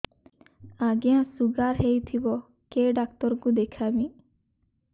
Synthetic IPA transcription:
aɡiãsuɡaɾɦejt̪ʰibɔ | keɖak̚t̪ɔɾkud̪ekʰami

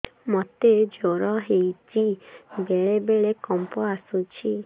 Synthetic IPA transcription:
mɔt̪ed͡ʒoɾɔɦejt͡ʃibeɭebeɭekɔmpɔasut͡ʃʰi

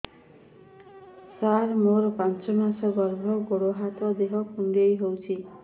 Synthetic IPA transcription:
saɾmoɾpãnt͡ʃɔmasʌɡʌrbʱɔɡoɽoɦat̪ʌd̪eɦʌkʰundejɦowt͡ʃʰi

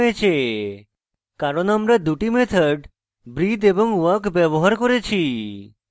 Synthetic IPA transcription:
et͡ʃʰe | kaɾonamɾəd̪uʈimet̪ʰəɖ | bɾid̪ebɔŋʋəkʋəʋɔɦaɾkɔɾet͡ʃʰi

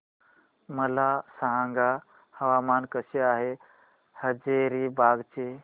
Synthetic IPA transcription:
məlasəɦãŋɡa | həʋamaːnkəseaːɦe | həd͡ʒeɾibaɡt͡ʃe

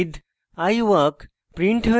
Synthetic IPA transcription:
d̪ | ajʋɐk | pɾiɳʈʰə

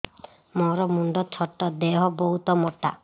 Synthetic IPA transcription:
mɔɾɔmuɳɖɔt͡ʃʰɔʈːɔd̪eɦɔbɔɦut̪ɔmɔʈːa̰

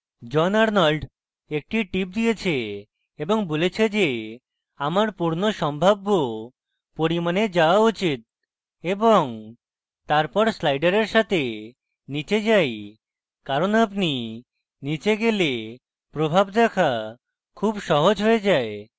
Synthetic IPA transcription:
d͡ʑɔnaɾnɔlɖ | ek̚ʈiʈip̚d̪ijet͡ɕʰe | eboŋbolet͡ɕʰed͡ʑe | amaɾpuɾnoʃɔmbʱabːo | poɾimaned͡ʑaoaut͡ɕit̪̚ | eboŋ | t̪aɾpɔɾslajɖaɾeɾʃat̪ʰe | nit͡ɕed͡ʑaj | kaɾonapni | nit͡ɕeɡele | pɾobʱabd̪ɛkʰa | kʰubʃɔɦod͡ʑɦoed͡ʑae

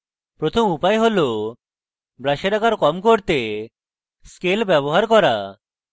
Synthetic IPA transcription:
pɾot̪ʰomupaeɦolo | bɾaʃeɾakaɾkɔmkoɾt̪e | skelbɛβoɦaɾkɔɾa

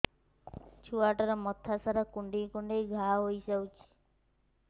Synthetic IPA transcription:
t͡ʃʰuaʈaɾɔmɔt̪ʰːasaɾakuɳɖĩkuɳɖejɡʱaɦojsawt͡ʃʰi̥

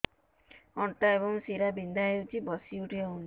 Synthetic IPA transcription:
ɔɳʈaebɔŋsiɾabind̪aewt͡ʃibɔsiuʈiɔwni

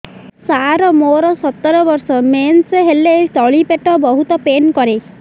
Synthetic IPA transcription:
saɾɔmoɾɔsɔt̪ːɔɾɔbɔɾsɔmenseɦelet̪ɔɭipeʈɔbɔɦut̪ɔpenkɔɾe

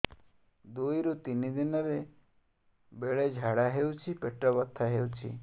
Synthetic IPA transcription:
d̪oiɾut̪inid̪inəɾe | beɭed͡ʒʱaɽaɦeut͡ʃʰipeʈɾəbət̪ʰːaɦeut͡ʃʰḭ

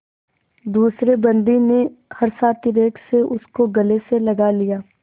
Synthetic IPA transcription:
d̪uːsɾebɐ̃nd̪inehɐɾsaːt̪iɾeːkseʔʊskoɡɐleselɐɡalijaː

